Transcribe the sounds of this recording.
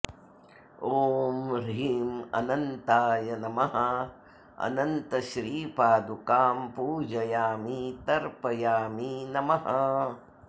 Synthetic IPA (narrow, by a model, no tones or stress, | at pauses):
oːmɾiːmɐ̰nɐnt̪aːjɐnɐmɐɦɐ | ɐ̰nɐnt̪ɐʃɾiːpaːd̪ukaːmpuːd͡ʒɐjaːmit̪ɐɾpɐjaːminɐmɐɦɐ